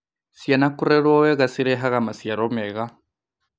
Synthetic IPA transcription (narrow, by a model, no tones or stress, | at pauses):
sianakuɾɛɺwɔwɛɣasiɾɛɦaɣamasjaɾɔmɛɣa